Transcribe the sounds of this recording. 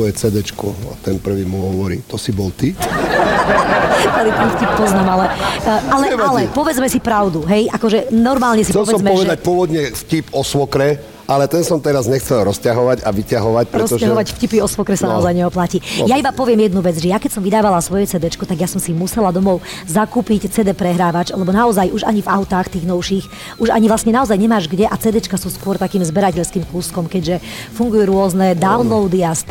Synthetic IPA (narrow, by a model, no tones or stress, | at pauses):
ɔjɛt͡sɛd̪ɛt͡ʃkua̰t̪ɛnpr̩ʋiːmuɦɔʋɔɾḭːt̪ɔsibɔlt̪i | t̪alit̪ɛnfcip̚pɔznaːmalɛalɛalɛpɔʋɛd͡zmɛsipɾaʊd̪uɦɛjʔakɔʒɛnɔɾmaːlɲɛsipɛlɛsɔmmɛɔʋɛɛd̪ac̚pʊɔʋɔd̪ɲɛfcipɔsʋɔkɾɛ | alɛt̪ɛnsɔmt̪ɛɾazɲɛxt͡sɛlˠɾɔscaɦɔʋaɟaʋicaɦɔʋac̚pɾɛɔsɔʒcaɦɔʋacfcipiɔsʋɔkɾɛsanaɔzajɲɛɔplacijaibapɔʋɪɛmjɛd̪nuʋɛd͡zʒɛjakɛcsɔmʋid̪aːʋalasʋɔjɛt͡sɛd̪ɛt͡ʃkɔt̪aɡjasɔmsimusɛlad̪ɔmɔʊ | zakuːpict͡sɛd̪ɛpɾɛɦɾaːʋat͡ʃalɛbɔnaɔzajʔuʒaɲivaʊt̪axt̪iːɣnɔʊʃix | ʔuʒa̰ɲivʋlˠasɲɛnaɔzajɲɛmaːʒɡɟɛʔat͡sɛd̪ɛt͡ʃkasuːskʊɔɾt̪akiːmzbɛɾacɛʎskiːmkuskɔmkɛɟʒɛfuŋɡujuɾʊɔznɛd̪aunlɔʊd̪iast̪